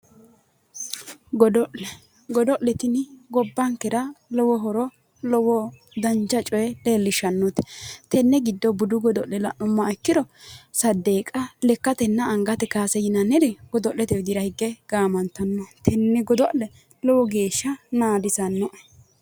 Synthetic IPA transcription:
ɡɔd̪ɔʔɛ | ɡɔd̪ɔʔlɛt̪ɪnɪɡɔbːɐŋkːɛɾɐlɔwɔɦɔɾɔ | lɔwɔ | d̪ɐnt͡ʃɐt͡ʃʼɔjɛleːlːɪʃɐnːɔt̪ɛ̥t̪ɛnːɛɡɪd̪ːɔbʊd̪ʊɡɔd̪ɔʔlɛlɐ̰ʔɔmːɐɛkːɪd̪ɔsɐd̪ːeːkʼɐlɛkːɐt̪ɛnːɐːŋɡɐt̪ɛkaːsɛjɪnɐnɪɾɛɡ̥ɔd̪ɔʔlːɛt̪ɛwɪd̪ɪɾɐhɪɡːɛɡ̥aːmɐnt̪ːɐnːɔt̪ʰɛnːɛɡɔd̪ɔʔlɛ | lɔwɔɡe̞ːʃːɐnaːd̪ɪsɐnːɔʔ

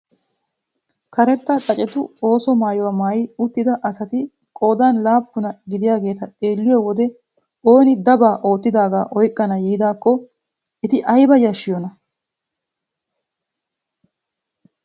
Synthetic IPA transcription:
kɐɾɛt̪ːɐt͡sʼɐt͡ʃʼɛt̪ʊo̞ːsɔmaːjɔwamaːjɪʊt̪ːɪd̪ɐʔɐsɐt̪ɪ | kʼo̞ːd̪aːnlaːpːʊnɐɡɪd̪ɪjaːɡe̞ːt̪ɐt̪ʼe̞ːlːɪjɛwɔd̪ɛ | o̞ːnɪd̪ɐbaːʔo̞ːt̪ːɪd̪aːɡaːʔɔjkʼːɐnɐjiːd̪aːkːɔ | ɪt̪ɪʔɐjbɐjɐʃːɪjɔnɐ

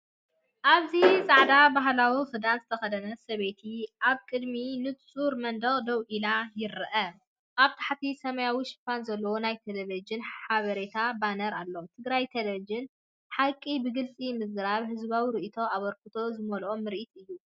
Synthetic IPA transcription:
ʔaβzisʼaʕd̪abaɦlawifɨd̪anzɨt̪ʰɐxɐd̪ɐnɐsɐβe̞t̪ʰiʔaβkʼɨd̪minɨt̪t͡sʼuɾmɐnd̪ɐɣʼd̪ɐwʔilajɪɾɨʔɐ | ʔaβt̪ʰḁħat̪ʰisɐmɐjawiʃɪ̥pːanzɐlːɐwonajt̪ʰeleβed͡ʒɪnħaβɐɾet̪ʰabanɐɾalːo̞t̪ʰɨɡɾajt̪ʰelevid͡ʒɪn | ħakʼːibɨɡɨlt͡sʼimɨzɡɨɾaβhɨzβawiɾɨʔit̪ʰo̞aβɐɾkɨt̪ʰo̞zɨmɐlʔomːɨɾʔit̪ɨjːu

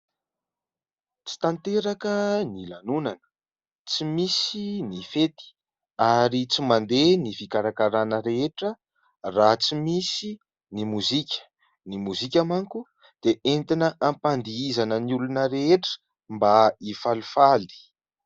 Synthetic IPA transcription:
t͡si̥t̪ant̪eɾakənilanunanə̥ | t͡simisinifet̪i̥ | aɾit͡simand̪enifikaɾakaɾanəɾeeʈ͡ʂə | rat͡simisi | nimuzikʲə̥ | nimuzikʲamaŋku | d̪̥eent̪inəʔampand̪iizanəniulunəɾeeʈ͡ʂə̥ | mbaifalufali̥

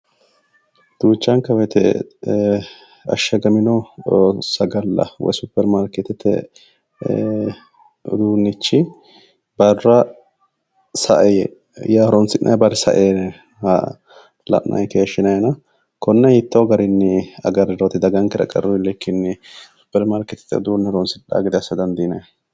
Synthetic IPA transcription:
d̪̥uːt͡ʃːɐŋkːɐwɔjt̪ɛ | ɐ̰ʃːɐɡɐmɪnɔ | sɐɡɐlːɐ̰wɔ̰jsʊpːɛɾmaːɾkɛt̪ːɛt̪ʰːɛ̰ | d̪uːnːɪt͡ʃːɪ | bɐrːɐ | sɐʔɛjɛ | jaɾɔnsɪnːɐ̰jbɐɾɪsɐ̰ʔeːn | h | lɐ̰ʔːɐ̰jkeːʃːɪnɐjnɐ | kɔnːɛhɪt̪ːɐɡɐɾɪnːɛɐ̰ɡɐɾɾot̪ɪd̪ɐɡɐŋkɛɾɐ̰kʼɐ̰ɾɔɪlːɛkʰːɪnːɪsʊ̥pːɛɾmaɾkɛt̪ɛ̥t̪ːɛ̰d̪uːnːɛɾɔnsɪɗːa̰ːɡɪd̪ɐɐsːɐd̪ɐnd̪inɐj

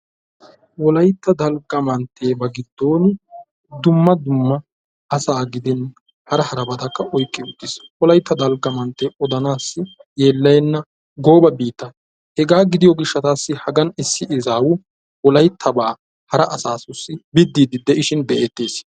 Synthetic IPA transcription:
wɔlɐjt̪ːɐd̪ɐlɡɐmɐnt̪ʰːe̞ːbɐɡɪd̪ːo̞ːn | d̪ʊmːɐd̪ʊmːɐː | saːɡɪd̪ɪn | hɐɾɐhɐɾɐbɐd̪ɐkːɐʔɔjkʼːɪʊt̪ːɪswɔlɐjt̪ːɐd̪ɐlɡɐmɐnt̪ːe̞ːʔɔd̪ɐnaːsːɪjeːlːɐjɛnːɐ | ɡo̞ːbɐbiːt̪ːɐ | hɛɡaːɡɪd̪ɪjɔɡɪʃːɐt̪aːsːɪhɐɡɐnɪsːɪʔɪzaːwʊ | wɔlɐjt̪ʰːɐbaː | hɐɾɐʔɐsaːsʊsːɪbɪd̪ːiːd̪ɪd̪ɛʔɪʃɪnd̪ɛʔeːt̪ːe̞ːs

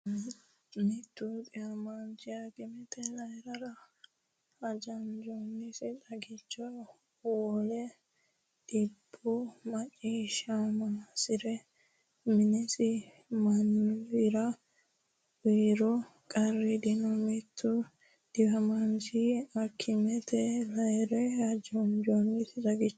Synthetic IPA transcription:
mɪt̪ːʊd̪ɪhɐmand͡ʒɪjaɡɪmɛt̪ɛlɐjɾɐɾɐ | ɐd͡ʒɐnd͡ʒɔnːɪsɪtʼɐɡɪt͡ʃːɔ | woːlɛ | d̪̥ɪbːʊmɐt͡ʃʼːiːʃamaːsɪɾɛ | mɪnɛsɪ | mɐnːɾɐ | wiːɾɔkʼɐrːɛd̪ɪnɔmɛt̪ʰːɔ | d̪̥ɪhɐmɐnsiɐkʰːɪmɛt̪ʰɛlɐjɾɛɐd͡ʒɔnd͡ʒonːɪsɪdɐɡɪt͡ʃː

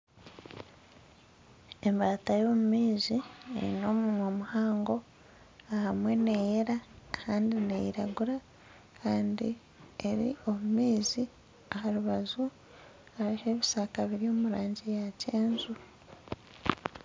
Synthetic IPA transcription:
e̞mbaːtajo̞ːmumiːziḛɾḭno̞ːmumwomuhaːŋɡo̞ | ahamwe̞ne̞jeɾakʰaːndine̞̰jiɾaɡuɾa | kʰaːndi | e̞ɾḭo̞mumiːzi | aɦaɾuβazu | aɾiheβisaːkaβiɾio̞muɾaːɲɟejaceːnzu

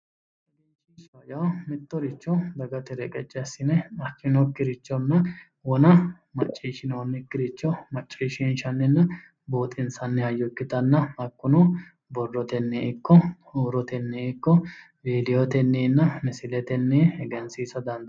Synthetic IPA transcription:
eʃiːʃɐjɐwmɪt̪ːɔɾɪt͡ʃːɔd̪ɐɡɐt̪ɛɾɛkʼɛt͡ʃʼːɛɐsɪnɛɐkːɪnɔkːɪɾɪt͡ʃːɔnːɐ | wɔnɐ | mɐt͡ʃʼːiːʃɪnoːnːɪkːɪɾɪt͡ʃːɔmɐt͡ʃʼːiːʃinʃɐnːɪnːɐ | boːt̪ʼɪnsɐnːɛɐjːɔkːɪt̪ɐnːɐɐkːʊnɔ | bɔrːɔt̪ɛnːeɪkːɔ | uːɾɔt̪ɛnːeːɪkːɔ | beːlɪjɔt̪ɛnːeːnːɐmɪsɪlɛt̪ɛnːeːɛɡɛnsiːsɐd̪ɐnd̪

